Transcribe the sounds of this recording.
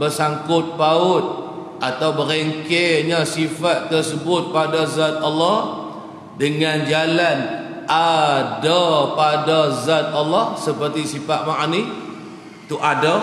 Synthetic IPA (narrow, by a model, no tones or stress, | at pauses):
bərsaŋkʊt̪̚paʊt̪̚ | ʔat̪awbəɾeŋkeɲəsifat̪ːərsəbʊt̪̚padazat̪̚alːɔh | dəŋand͡ʒalan | ʔadapadazat̪̚alːɔhsəpərt̪isifat̪̚maʔni | t̪uʔada